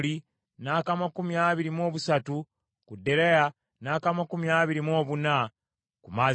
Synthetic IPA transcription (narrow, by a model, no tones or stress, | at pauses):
li | naːkamakumiaːβiɾimo̞ːβusatu | kudːe̞ɾeja | naːkamakumjaːβiɾimo̞ːβuna | kumaː